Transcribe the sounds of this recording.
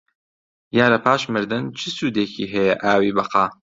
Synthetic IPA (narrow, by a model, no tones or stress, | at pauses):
jaːɾɐpʰaːʃmɨɾd̪ɨnt͡ʃʰɨsuːd̪eːkʰiːɦɛjɛʔaːwiːbɐqɑː